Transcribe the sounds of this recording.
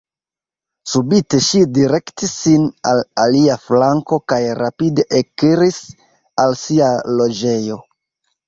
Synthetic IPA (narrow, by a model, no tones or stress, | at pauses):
subite̞ʃidiɾe̞ktisːinalaliaflaŋko̞kajɾapide̞ʔekiɾis | alsialo̞d͡ʒe̞jo̞